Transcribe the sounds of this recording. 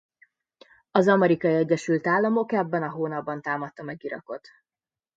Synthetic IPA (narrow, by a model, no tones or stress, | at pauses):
ɒzɒmɛɾikɒiɛɟːɛʃylt̪aːlːɒmo̞kɛbːɛnɒɦoːnɒbːɒnt̪aːmɒt̪ːɒmɛɡiɾɒ̰ko̞t̪